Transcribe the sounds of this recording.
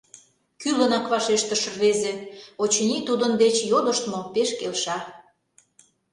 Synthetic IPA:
kylə̆nɑkβɑʃeʃt̪ə̆ʃə̆rβezeot͡ɕnʲit̪ud̪ənd̪et͡ɕjod̪ə̆ʃt̪mopeʃkelʃɑ

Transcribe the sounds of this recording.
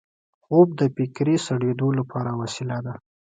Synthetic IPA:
xob̚d̪əpɪkɾisaɽwed̪olapʰɑɾawasɪlad̪a

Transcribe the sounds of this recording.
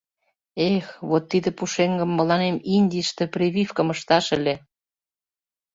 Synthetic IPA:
exβot̪ːid̪ĕpuʃeŋɡə̆mːə̆lɑneminʲd̪ʲiʃt̪ĕprʲeβʲifkə̆məʃt̪ɑʃelʲe

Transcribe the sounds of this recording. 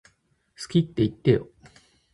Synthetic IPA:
sɨ̥kʲit̪ːe̞it̪ːejo

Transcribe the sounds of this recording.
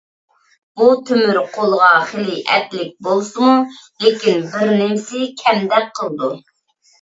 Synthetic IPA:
but̪ʰømyɾqʰolˠəʁɑχelɪʔɛ̰t̪lɪk̚ʲbolˠsɨmulekʲinbɪɾnemɪsɪkʲʰɛmd̪ɛk̚ʲqʰːəlˠɨd̪u

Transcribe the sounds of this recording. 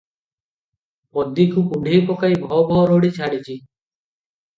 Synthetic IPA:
pɔd̪ikupuɖʱejpɔkajbʱɔɦɔbʱɔɦɔɾoɽit͡ʃʰaɽit͡ʃʰi

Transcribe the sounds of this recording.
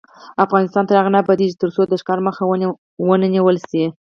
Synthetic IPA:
afɣɑnɪst̪ɑnt̪aɾaɣanabad̪iʒit̪əɾsod̪əʃkɑɾməxa | wənəniwəlsi

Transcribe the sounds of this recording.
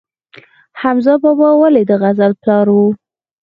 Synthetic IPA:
hamzɑbɑbɑwaled̪əɣazalplɑɾwu

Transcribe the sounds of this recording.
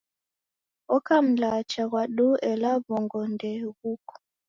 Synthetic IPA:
ɔkam̩lat͡ʃaɣwaɗuɛlaβɔŋɡɔndɛɣukɔ̥

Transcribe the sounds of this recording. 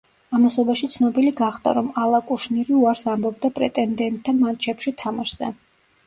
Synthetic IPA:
amasɔbaʃit̪sʰnɔbiliɡaχd̪a̰ɾɔmalˠakʼuʃniɾiuaɾsambɔb̚d̪apʼɾɛt̪ʼɛnd̪ɛnt̪ʼʰːamant͡ʃʰɛpʃit̪ʰamaʃz̥ɛ̰

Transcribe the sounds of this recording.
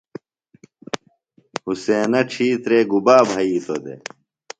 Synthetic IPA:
huseːnɐʈ͡ʂʰiːt̪ɾeːɡubaːbʱɐiːt̪od̪ḛ

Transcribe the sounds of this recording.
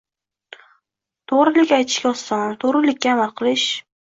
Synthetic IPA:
t̪ʰoʁɾɪlɪkʲajt̪ʰɪ̥ʃkʲaɒsant̪ʰoʁɾɪlɪkʲːaːmalˠqʰɨlˠɪʃ

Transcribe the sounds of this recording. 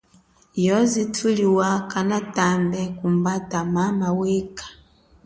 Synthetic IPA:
jɔzitʰuliwakanatambɛkumbatamamawɛkḁ

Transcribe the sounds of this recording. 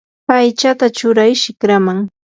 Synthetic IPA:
ajt͡ʃat̪at͡ʃʊɾajʃɪkɾamaŋ

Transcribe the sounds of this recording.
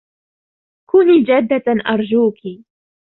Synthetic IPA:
kʊniːd͡ʒad̪ːaʔɑɾˤd͡ʒuːki

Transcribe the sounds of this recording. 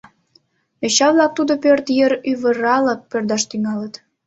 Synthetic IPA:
eɕɑβlɑk̚t̪ud̪opørt̪jəɾyβə̆ɾɑləpːørd̪ɑʃt̪yŋɑlət̪

